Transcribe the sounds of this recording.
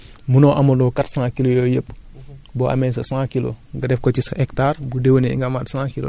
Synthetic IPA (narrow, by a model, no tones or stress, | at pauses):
munɔʔɐmɐdɔːkatsãːkilojɔːjəp̚ːbɔʔa̰mɛsɐsãːkilo̰ŋɡɐdɛfkɔcisɛktarbudewneḭŋɡamatsãːkilo̰